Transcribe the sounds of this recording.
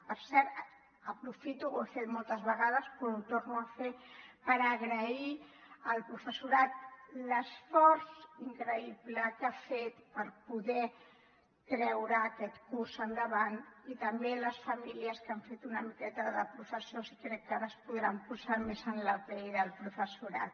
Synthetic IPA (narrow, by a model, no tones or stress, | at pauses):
pəɾsɛɾt̪ | əpɾufit̪uofet̪mɔlˠt̪əzβəɣ̞aðəspoot̪oɾnuafepəɾəɣɾəi | əlpɾufəsuɾat̪̚ləsfɔɾziŋkɾəiβləkafet̪pəɾpuðɛ | kɾɛwɾəːkɛt̪kursənd̪əβanit̪əmbeləsfəmiliəskaɱfet̪unəmikɛt̪əðəpɾufəsiosi̥kɾɛkːaɾəspuðɾampuzaɾmezənləpɛjðəlˠpɾufəsuɾa̰t̪